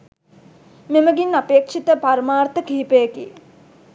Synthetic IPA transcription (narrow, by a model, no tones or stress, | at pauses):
meməɡinːapeːkʂit̪əpaɾmaːrt̪əkiːipejəkḭ